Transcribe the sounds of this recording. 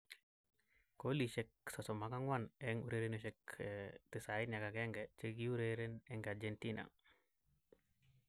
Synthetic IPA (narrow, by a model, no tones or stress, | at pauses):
koliʃek̚sasɔmakaŋwanɛŋuɾeɾenoʃɛktisainakakɛŋɡɛt͡ʃeɡiuɾeɾenɛŋɡad͡ʒentinʔa̰ŋ